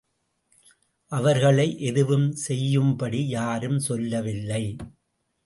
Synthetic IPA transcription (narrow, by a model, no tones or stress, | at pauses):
ʔɐʋɐɾɣɐɭɐɪʔɛðɯʋɯmsɛjːɯmbɐɽijaːɾɯmsɔlːɐʋɪlːɐɪ